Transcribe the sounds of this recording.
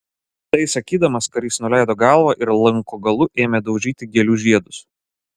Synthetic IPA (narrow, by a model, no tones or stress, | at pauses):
t̪ɐɪsɐkʲiːd̪ɐmɐskɐɾʲiːsnʊlʲæˑɪd̪oːɡɑˑlˠʋɐʔɪɾlˠɐŋˑkoːɡɐlˠʊʔeːmʲed̪ɒʊʒʲiːt̪ʲɪɡʲɛlʲuʒʲiɛd̪ʊs